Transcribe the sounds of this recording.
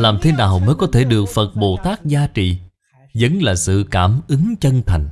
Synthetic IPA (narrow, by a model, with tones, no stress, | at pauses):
laː˨˩mt̪ʰe˨˦naː˨˩wməː˨˦jkɔ˨˦t̪ʰe˧˩ɗɨ˨˩ək̚fə˨˩t̚ɓo˨˩t̪aː˦˥k̚zaː˧t͡ɕḭ˧˨ | zə˨˦ŋlaː˨˩sɨ̰˧˨kaː˧˩mʔɨ˨˦ŋt͡ɕə˧nt̪ʰa˨˩jŋ̟